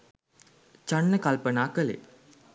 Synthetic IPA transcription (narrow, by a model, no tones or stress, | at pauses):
t͡ʃaɳːəkalpənaːkəlḛ